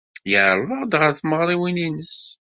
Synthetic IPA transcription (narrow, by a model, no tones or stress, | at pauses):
jəʕɾˤvəʁd̪ʁəɾθməʁɾˤiwininəs